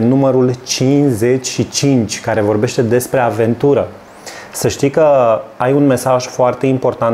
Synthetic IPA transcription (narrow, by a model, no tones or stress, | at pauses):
numəɾult͡ʃinze̞t͡ʃʲʃit͡ʃint͡ʃʲkaɾe̞vo̞rbe̞ʃt̪e̞d̪e̞spɾe̞ave̞nt̪uɾə | səʃt̪ijkəajunme̞saʒfoart̪e̞impo̞rt̪an